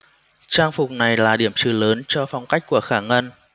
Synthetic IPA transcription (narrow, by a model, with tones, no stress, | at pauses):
t͡ɕaː˧ŋfʊ˨˩k͡p̚na˨˩jlaː˨˩ɗi˧˩əmt͡ɕɨ˨˧˩ləː˨˦nt͡ɕɔ˧fa˧wŋ͡mka˦˥k̟̚ku˧˩əxaː˧˩ŋə˧n